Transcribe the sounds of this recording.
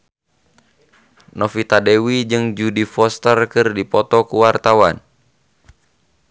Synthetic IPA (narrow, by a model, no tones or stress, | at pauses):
nɔfit̪adɛwid͡ʒɨŋd͡ʒudifɔst̪ərkɨrdipɔt̪ɔkuwart̪awan